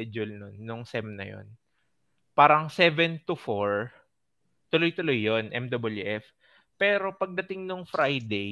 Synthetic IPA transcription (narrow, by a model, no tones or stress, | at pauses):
ɛd͡ʒʊlnonːʊŋsɛmnɐ̰jo̰n | paːɾɐŋsɛvɛnt̪ʊfoɹ | t̪ʊlojt̪ʊlojːonʔɛmd̪obɐljuʔɛf | pɛɾo̞pɐɡ̚d̪ɐt̪ɪŋnʊŋfɾajd̪e